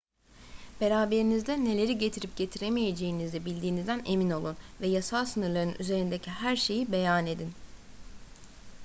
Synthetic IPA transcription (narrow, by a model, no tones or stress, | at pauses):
b̥e̞ɾaːbe̞ɾinizd̪ɛne̞lʲe̞ɾiɟe̞t̪ʰiɾip̚ɟe̞t̪ʰiɾe̞meje̞d͡ʒe̞jinizd̪ɛbilʲd̪iːnizd̪æne̞mino̞lˠunvɛjasalˠsɯnɯɾlˠaɾɯnʔyze̞ɾind̪ecʰihæɾʃe̞jibe̞jane̞d̪in